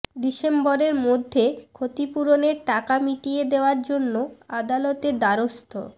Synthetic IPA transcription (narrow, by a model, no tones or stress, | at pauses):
ɖiʃemboɾeɾmod̪ʱːekʰot̪ipuɾoneɾʈakamiʈijed̪eoaɾd͡ʑonːoad̪alɔt̪eɾd̪aɾost̪ʰo̰